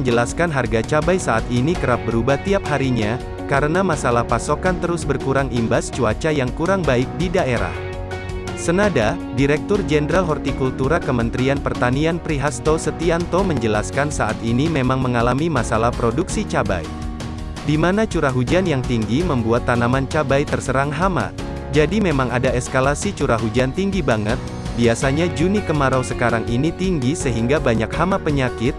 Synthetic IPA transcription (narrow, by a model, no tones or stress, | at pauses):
məɲd͡ʒəlaskanɦarɡat͡ʃabajsaʔat̪inikəɾap̚bəɾubaht̪iap̚haɾiɲa | kaɾənamasalahpasokant̪əɾʊsbərkuɾaŋimbast͡ʃuat͡ʃajaŋkuɾaŋbaɪk̚didaeɾa̰h | sənada | diɾɛk̚t̪ʊrd͡ʒɛnəɾalɦɔrt̪ikult̪uɾakəmənt̪ɾianpərt̪anianpɾiɦast̪osət̪iant̪oməɲd͡ʒəla̰skansaʔat̪inimemaŋməŋalamimasalahpɾoduksit͡ʃaba̰j | dimanat͡ʃuɾaɦud͡ʒanjaŋt̪iŋɡiməmbuat̪ːanamant͡ʃabajt̪ərsəɾaŋɦama̰ | d͡ʒadimemaŋadaɛskalasit͡ʃuɾaɦud͡ʒant̪iŋɡibaŋət̪̚ | biasaɲad͡ʒunikəmaɾawsəkaɾaŋʔinit̪iŋɡisəɦiŋɡabaɲak̚hamapəɲakɪt̪̚